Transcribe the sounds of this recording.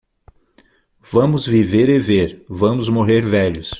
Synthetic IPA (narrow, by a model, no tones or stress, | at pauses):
v̥ɐ̃mʊzviveɾɪveɾvɐ̃mʊzmoɦeɾvɛʎʊs